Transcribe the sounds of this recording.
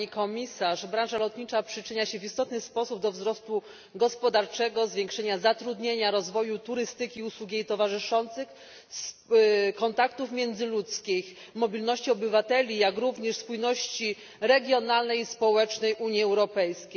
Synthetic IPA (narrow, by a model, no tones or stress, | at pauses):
ikɔmʲisaʂbɾãnʐalɔt̪ɲit͡ʂapʂɘt͡ʂɘɲaɕɛvʲist̪ɔt̪nɘspɔsub̚d̪ɔvzɾɔst̪u | ɡɔspɔd̪aɾt͡ʂɛɡɔzvʲjeŋkʂɛɲazat̪ɾud̪ɲeɲaɾɔzvɔjut̪uɾɘst̪ɘkʲiuswuɡʲjejt̪ɔvaʐɘʂɔnt̪sɘx | s | kɔnt̪akt̪ufmʲjɛnd̪zɘlut̪skʲix | mɔbʲilnɔɕt͡ɕiɔbɘvat̪ɛlʲijakɾuvɲɛʂspujnɔɕt͡ɕi | ɾɛɡʲjɔnalnɛjispɔwɛt͡ʂnɛjʔuɲjiɛwɾɔpɛjskʲej